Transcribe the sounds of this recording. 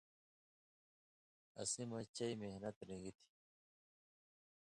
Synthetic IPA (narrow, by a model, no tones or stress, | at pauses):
ɐ̰sĩmɐt͡ɕɐimehnɐt̪ɾĩɡit̪ʰi̥